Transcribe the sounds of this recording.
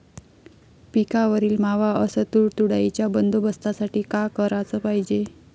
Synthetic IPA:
pikaʋəɾiːlmaʋaəsət̪uɽt̪uɽait͡ɕjabənd̪ubəst̪asaʈiːkakəɾat͡səpaɦid͡ʑe

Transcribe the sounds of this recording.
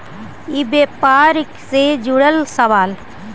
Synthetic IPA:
ibepaːɾɪksed͡ʒuɽəlsɐʋaːl

